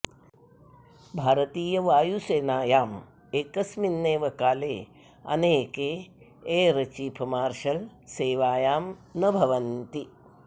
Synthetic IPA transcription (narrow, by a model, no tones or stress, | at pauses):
bʱaːɾɐt̪iːjɐʋaːjuseːnaːjaːm | eːkɐsminːeːʋɐkaːleː | ɐ̰neːkeː | eːɾɐt͡ʃiːpʰɐmaːɾʂɐlseːʋaːjaːmnɐbʱɐʋɐnt̪i